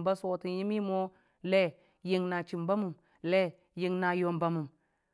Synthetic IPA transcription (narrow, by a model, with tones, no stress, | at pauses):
mba˦swo˨ti˨nji˦mi˦mo˦ | le˦ | ji˦ŋna˨t͡ʃi˨mba˦mu˨m | le˦ | ji˦ŋna˨jo˨mba˨mu˨m